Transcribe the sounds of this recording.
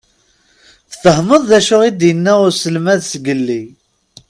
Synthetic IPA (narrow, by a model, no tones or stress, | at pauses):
θθəhməðˤðæʃʊʁid̪jənːæʊɾsəlmæðsɡəlːi